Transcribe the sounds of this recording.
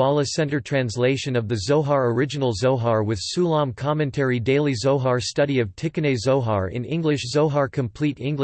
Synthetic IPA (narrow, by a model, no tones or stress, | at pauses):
ɑlˠəsɛ̃ntə˞tʰɹ̥æ̃nsleɪʃɨ̃nʌvðɨzoʊɦɑɹə˞ɪd͡ʒɨnl̩ˠzoʊɦɑɹwɨð̥sulˠɑ̃mkʰɑmɨ̃ntʰɛɹideɪlˠizoʊɦɑɹstʌɾiʌv̥tʰɪkɨneɪzoʊɦɑɹɪ̰̃nɪ̰̃ŋɡlɨʃzoʊɦɑɹkʰɨ̃mpʰl̥iɾɪ̃ŋɡ